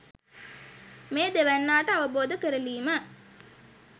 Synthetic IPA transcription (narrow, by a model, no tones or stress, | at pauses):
meːd̪eʋænːaːʈəaʋəboːd̪əkəɾəliːmə